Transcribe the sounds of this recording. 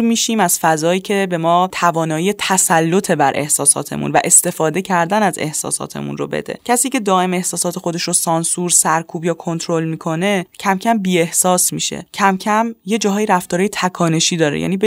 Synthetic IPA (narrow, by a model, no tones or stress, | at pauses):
miːʃiːmæz̥fæzɒːjiːcʰe̞be̞mɒːt̪ʰævɒːnɒːjijet̪ʰæsælːot̪ʰe̞bæɾʔe̞hsɒːsɒ̰ːt̪ʰe̞̰mṵnvæ̰ʔe̞st̪e̞fɒːd̪e̞cʰæɾd̪ænæze̞̰hsɒ̰ːsɒ̰ːt̪ʰe̞̰mṵnro̰bḛd̪e̞̰cʰæsiːce̞d̪ɒːe̞me̞hsɒːsɒːt̪ʰexo̞d̪e̞ʃɾosɒːnsuɾsæɾkʰuːbjɒːkʰo̞nt̪ʰɾo̞lmiːkʰo̞ne̞cʰæmcʰæmbiːe̞hsɒːsmḭʃḛcʰæmcʰæmje̞d͡ʒɒːɦɒːjiɾæft̪ɒːɾɒːjet̪ʰækʰɒːne̞ʃiːd̪ɒːɾḛjæ̰niːb